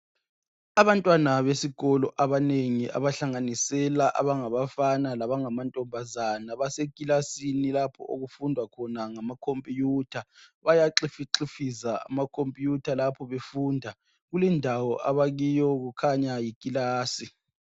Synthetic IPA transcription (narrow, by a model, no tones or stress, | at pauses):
aβantʼwanaβesiɣɔlɔʔaβaneŋiʔa̰βaɬaŋanisɛlaʔa̰βaŋaβafanalaβaŋamantʼɔmbʱazanaβasekʼilasinilapʰɔ̰ʔoɣufundʱwakʰɔnaŋamakʰompʼijutʰaβajaǁifiǁifisaa̰makʰompʼijutʰalapʰɔβefundʱa | ɣulindʱawɔʔaβaɣijɔɣukʰaɲajikʼilaːsi